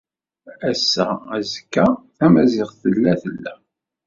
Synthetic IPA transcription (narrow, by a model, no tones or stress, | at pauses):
æsːææzkːæθæmæzɪʁθəlːæθəlːæ